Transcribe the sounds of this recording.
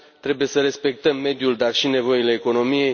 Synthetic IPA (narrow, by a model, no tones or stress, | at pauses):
t̪ɾe̞buje̞səɾe̞spe̞k̚t̪əmːe̞d̪juld̪arʃine̞vo̞ile̞ːko̞no̞mijej